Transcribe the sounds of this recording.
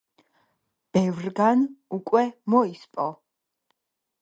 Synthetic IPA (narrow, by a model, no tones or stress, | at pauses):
b̥ɛvɾɡanukʼwɛmɔispʼɔ